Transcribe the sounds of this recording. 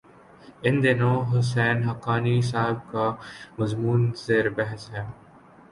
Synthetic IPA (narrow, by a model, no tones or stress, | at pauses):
ɪnd̪ɪnõɦʊs̬ɛːnɦɐkaːnis̬aːɦɪb̚kamɐzmuːnzeːɾbɛɦsɦɛː